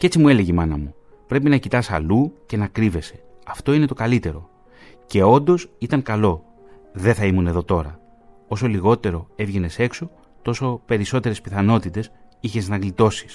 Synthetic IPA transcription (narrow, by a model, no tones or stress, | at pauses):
ce̞t͡simue̞le̞ʝemɐnɐmu | pɾe̞pinɐcit̪ɐsɐ̰luce̞nɐkɾive̞se̞̥ɐft̪o̞ine̞t̪o̞kɐlit̪e̞ɾo̞ | ce̞o̞nd̪o̞sit̪ɐŋkɐlo̞ | ðe̞θɐimune̞ðo̞t̪o̞ɾɐ̰ | o̞so̞liɣo̞t̪e̞ɾo̞e̞vʝe̞ne̞se̞kso̞ | t̪o̞so̞pe̞ɾiso̞t̪e̞ɾe̞spiθɐno̞t̪it̪e̞siçe̞znɐɣlit̪o̞si̥s